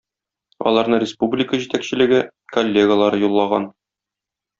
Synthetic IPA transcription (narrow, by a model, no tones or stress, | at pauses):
ɒ̰lˠɑɾnɤrʲɪspublʲɪkəʑit̪ækɕɘ̆lɘ̆ɡɘ | kolʲːeɡəlˠɑɾɤjulˠːɑʁɑ̰n